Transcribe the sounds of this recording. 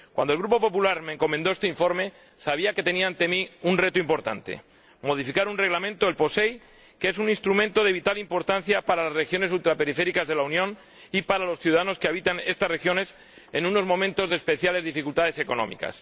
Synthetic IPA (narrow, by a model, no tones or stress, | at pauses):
kwa̰nd̪olɣɾupo̞po̞pulaɾme̞ːŋko̞mẽnd̪oest̪e̞iɱfo̞ɾme̞ | saβiake̞t̪e̞niaːnt̪e̞miunre̞t̪oimpo̞ɾt̪a̰nt̪e̞̰ | mo̞ðifikaɾunreɣlamẽnt̪oe̞lpo̞se̞j | kee̞sunĩnst̪ɾumẽ̞nt̪o̞ðe̞β̞it̪alimpo̞ɾt̪an̟θjapaɾalazre̞xjo̞ne̞sult̪ɾape̞ɾife̞ɾikazðe̞launjõ̞n | ipaɾalo̞sθjuðaðano̞skeaβit̪ane̞st̪asre̞xjo̞ne̞s | enũno̞zmõ̞mẽnt̪o̞zðespe̞θjale̞zðifikult̪aðe̞se̞ko̞nõ̞̰mḭka̰s